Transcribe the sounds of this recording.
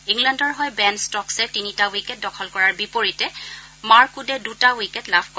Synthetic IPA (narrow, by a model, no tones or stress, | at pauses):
iŋɡlandɔɹɦɔjbɛnstɔksɛtinitawikɛt̚dɔkʰɔlkɔɹaɹbipoɹitɛ | maɹkudɛdutawikɛtlabʰʱkɔ